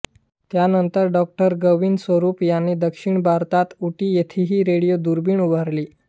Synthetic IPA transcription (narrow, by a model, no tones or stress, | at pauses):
t̪janənt̪əɾɖɔk̚ʈəɾɡəʋinsʋəɾuːpjanːid̪əkʂiɳbʱaɾt̪at̪uʈiːjet̪ʰiɦiːɾeɽijod̪uɾbiːɳubʱaɾliː